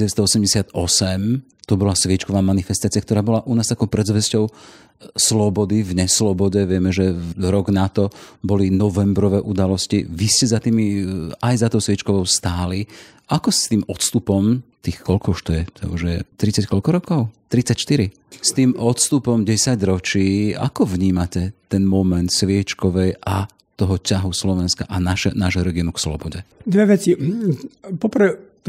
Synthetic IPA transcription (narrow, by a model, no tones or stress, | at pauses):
ɛʋɛst̪ɔɔsɛmɟɛsɪat̪ɔsɛm | t̪ɔbɔlasʋɪɛt͡ʃkɔʋaːmanifɛst̪aːt͡siɪakt̪ɔɾaːbɔlaʔunaːst̪akɔʊpɾɛzʋɛscɔʊ | slɔbɔd̪ivɲɛslɔbɔɟɛʋɪɛmɛʒɛɾɔɡnat̪ɔbɔlinɔʋɛmbɾɔʋɛːʔud̪alɔsciʋiscɛzat̪iːmiajzat̪ɔʊsʋɪɛt͡ʃkɔʋɔʊst̪aːli | ʔakɔst̪iːmɔt̪st̪upɔmt̪iːxkɔlkɔʊuʃt̪ɔjɛt̪ʰɛ̰uʒjɛ̰t̪ɾit͡sackɔlkɔɾɔkɔʊt̪ɾit͡sacʃt̪iɾi | st̪iːmʔɔt̪st̪upɔmɟɛsaɟɾɔt͡ʃiːa̰kɔʋɲiːmacɛt̪ɛnmɔmɛnt̪sʋɪɛt͡ʃkɔʋɛjʔa | t̪ɔɦɔcaɦuslɔʋɛnska̰ʔanaʃɛnaːʒɦɔɾɛɡinukslɔ̰bɔɟɛd̪ʋɛʋɛt͡si | pɔprʋɛ